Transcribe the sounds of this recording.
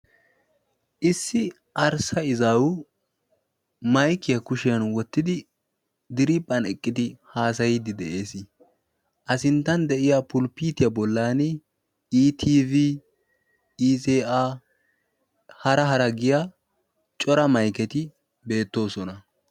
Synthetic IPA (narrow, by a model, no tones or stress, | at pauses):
ʔɪsːɪ | ʔɐɾsɐɪzaːwʊ | mɐjkːɪjɐkʊʃɪjɐnwɔt̪ːɪd̪ɪ | d̪ɪɾipʼːɐnɛkʼːɪd̪ɪhaːs̬ɐjɪd̪ɪd̪ɛʔe̞ːsɪ | ʔɐsɪnt̪ːɐnd̪ɛʔɪjapʊlpiːt̪ɪjɐbɔlːaːnɪ | iːt̪ʰiːvi | iːzeːʔaː | hɐɾɐɦɐɾɐɡɪjaː | t͡ʃʼɔɾɐmɐjkɛt̪ɪ | be̞ːt̪ːo̞ːsɔnɐ